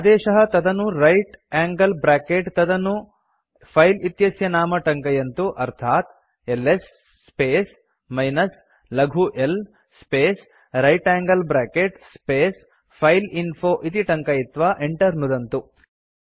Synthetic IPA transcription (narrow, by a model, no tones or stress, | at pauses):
ɐd̪ɛːʃɐɦɐt̪ɐd̪ɐnuɾɐjʈaːŋɡɐlbɾaːkeʈt̪ɐd̪ɐnu | pʰɐjlit̪jɐsjɐnaːmɐʈɐŋkɐjɐnt̪uʔɐɾt̪ʰaːt̪ | elːesː | peːs | mɐjnɐs | lɐɡʱuʔel | speːs | ɾɐjʈaːŋɡɐlbɾaːkeʈspeːs | pʰɐjlinpʰoːʔit̪iʈɐŋkɐjit̪ʋaːʔeɳʈɐɾnud̪ɐnt̪u